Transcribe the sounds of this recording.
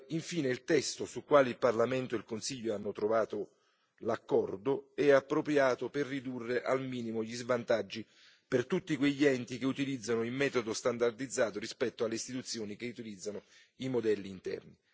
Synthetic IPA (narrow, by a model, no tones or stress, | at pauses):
iɱfiːneilt̪ɛst̪osukːwaːlilparlament̪oilkonsiʎːoanːot̪ɾovaːt̪o | lakːɔrd̪oɛapːɾopɾjaːt̪operːid̪urːeʔalmiːnimoʎizvant̪ad͡ʒːi | pert̪ut̪ːikweʎːiɛnt̪ik̟eut̪ilid̪zːanoilmɛːt̪od̪ost̪and̪ard̪id̪zːaːt̪orɾispɛt̪ːoalːeist̪it̪ut̪sːjoːnikeut̪ilid̪zːano | imod̪ɛlːiːnt̪ɛ̰rni